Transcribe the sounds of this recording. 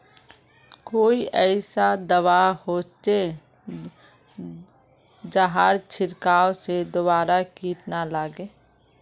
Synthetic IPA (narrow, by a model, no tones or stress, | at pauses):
koːiʔɛɪsad̪əwahoːt͡ʃe | d͡ʒaɦaːɾt͡ʃʰɪɾkaːosed̪obaːɾakiːʈnalaːɡeː